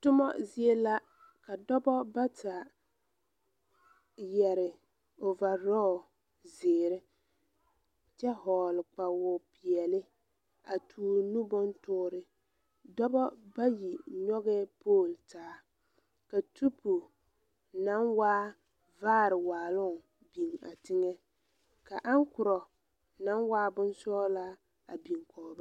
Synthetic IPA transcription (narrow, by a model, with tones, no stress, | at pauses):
tʊ˦mɔ̰˦zɪ˦e˦la˦ | ka˨dɔ˦bɔ˦ba˦ta˨ | jɛ˨ɾɪ˨ | o˨va˨ɾɔ˦˨ | zɪː˨ɾɪ˦ | t͡ʃɛ˦ɦɔː˨lɪ˨k͡pa˨wʊ˨pi˨ɛ˨lɪ˦ | a˨tʰuː˨˦˨nu˦bʊ˦ntʊː˦ɾɪ˨ | dɔ˦bɔ˦ba˦ji˨ɲɔ˦ɣɛ˦poː˦˨ltaː˦ | ka˨tʰu˦pu˨ | na˦nwaː˦ | vaː˦˨ɾɪ˨waː˨lʊ˦ŋ˨ | bi˨ŋa̰˨tɪ˦ŋɛ˦ | ka˨ʔa˦ŋkʊ˨ɾɔ˨ | na˦nwaː˦bʊ˦nsɔː˦la˦ | a̰˨bi˨ŋkʰɔː˨ba˦